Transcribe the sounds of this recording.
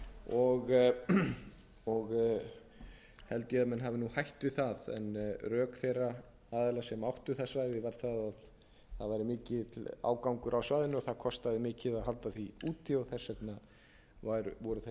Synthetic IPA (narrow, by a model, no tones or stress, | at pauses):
ɔɣ | ɔɣ | hɛlt̪jɪaðmɛnɦavɪnuhajht̪vɪðθaðɛ̰nrœːkθejrːa | aːðɛlasɛmawht̪ʏθasvaːjðɪvaɾ̥θaðað | θaðvajɾɪmɪːcɪa̰ːwkawŋkʏɾʔawsvajðɪnʏɔθaðkʰɔst̪aðɪmɪːcɪðaðɦalt̪aθiuːt̪ʰːiawθɛsːɛt̪na | vajɾʏvɔɾʏθɛ